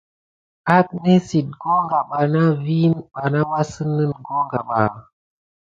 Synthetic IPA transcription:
a˦k̚ne˦si˨t̚ɡo˦ŋɡa˨ɓa˨na˦vi˦nɓa˨na˦wa˦sɨ˦nːɨ˦nɡo˦ŋɡa˨ɓa̰˨

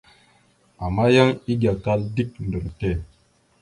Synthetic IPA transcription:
a˨ma˦jə˦ŋi˦ɡʲa˨ka˦ldi˦k̚n̩˨də˨ɾtɛ˦˨

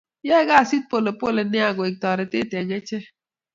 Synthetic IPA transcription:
jɛ˦ɡa˦˨si˦t̚po˦˨le˨po˦˨le˨nɛ˦a˨ɡe˨k̚tɔ˨ɾe˨te˦te˨ɲe˦t͡ʃe˦

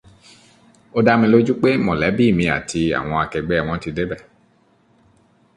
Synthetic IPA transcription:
o˧da˦mĩ˧lo˦d͡ʒu˦k͡pe˦mɔ̃˨lɛ˨˦bi˦˨mĩ˧a̰˨tʰi˧a̰˨w̃ɔ̃˧a˧kɛ˧ɡ͡bɛ˦˨w̃ɔ̃˨˦ti˧de˦bɛ˦˨

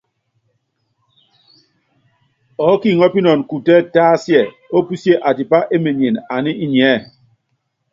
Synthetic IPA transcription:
ɔ˨˦ki˦˨ŋɔ˦pi˦nɔ˨n˨ku˨tɛ˦taː˦sjɛ˨ | o˦pu˦sje˦ʔa˨ti˨pa˦ʔe˦me˨ɲ˨e˨na˨ni˦i˦ɲ˨ɛ˨˦˨

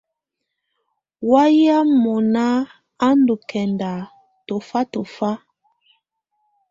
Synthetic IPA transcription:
wa˦ja˦mɔ˨na˦ | a˦ndu˨kʰɛ˨nda˨ | to˨fa˦to˨fa˦

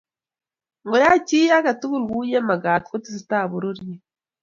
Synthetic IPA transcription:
ŋɡo˨ɾa˦ci˦jaː˦ɡa˨tu˦βu˦˨lɡuː˦je˦ma˨ɡaː˨tko˦ti˦s̬itaːβu˨ɾu˦ɾje

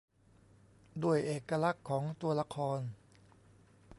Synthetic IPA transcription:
duː˧˩əjʔeː˨˩kːa˧la˦˥kʰːɔː˩˦ŋt̪u˧ɐla˧kʰɔː˧n

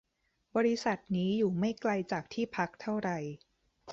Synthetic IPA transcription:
bɔː˧ɾi˦˥sa˨˩t̪̚niː˦˥juː˨˩ma˥˩jkla˧jt͡ɕaː˨˩k̚t̪ʰiː˥˩pʰa˦˥k̚t̪ʰa˥˩wɾa˨˩j

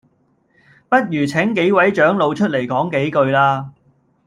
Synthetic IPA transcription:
pɐ˥t̚jyː˨˩t͡sʰɛ˨˥ŋke˨˥jwɐ˨˥jt͡ʃœː˨˥ŋlo˨˧wt͡ʃʰɵ˥t̚le˨˩jkɔː˨˥ŋke˨˥jkɵ˧ɥlaː˧˥

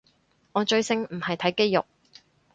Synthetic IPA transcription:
ŋɔː˨˧t͡ʃɵ˧ɥsɪ˧ŋm̩˨˩hɐ˨jt̪ʰɐ˨˥jke˥jjʊ̰˨k̚

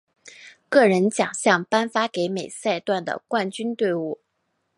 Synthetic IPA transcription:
kɤ˥˩ɻə˧˥nt͡ɕjɑ̰˨˩ŋɕjɑ˥˩ŋpa˥nfa˥ke˧˥ɪme˨˩ɪsa˥˧ɪt̪wa˥˩nd̪ə̰˩kwa˥˩nt͡ɕy˥nt̪we˥˧ɪu˥˩

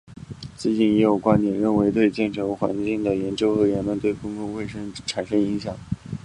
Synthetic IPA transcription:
t͡sɹ̩˥˧t͡ɕi˥˩njɛ˧˥jo˨˩ʊkwa˥nt̪jɛ˨˩nɻə˥˩nwe˧˥ɪt̪we˥˧ɪt͡ɕjɛ˥˩nʈ͡ʂʰɤ˧˥ŋxwa̰˧˥nt͡ɕi˥˩ŋd̪ə˩jɛ˧˥nt͡ɕjo˥ʊxɤ˧˥ɥɛ˧˥nmə˧nt̪we˥˩ɪkʊ˥ŋkʊ˥˧ŋwe˥˩ɪʂə˥ŋʈ͡ʂʰa˨˩nʂɤ˥ŋi˧˥ŋɕjɑ˨˩˦ŋ

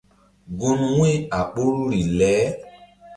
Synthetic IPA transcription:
ɡo˧nu˦ŋʷ˦e˦˨a˨k͡po˦ɾu˦ɾi˨lɛː˨˦

